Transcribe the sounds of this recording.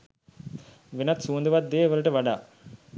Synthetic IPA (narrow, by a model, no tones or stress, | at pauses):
ʋenɐt̪suːnd̪uʋɐt̪̚d̪eːʋɐlɐʈəʋɐɖaː